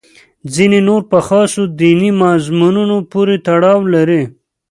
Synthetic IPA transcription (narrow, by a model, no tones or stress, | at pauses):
zinenoɾpəxɑsod̪inimɑzmununopuɾet̪aɽɑwlaɾi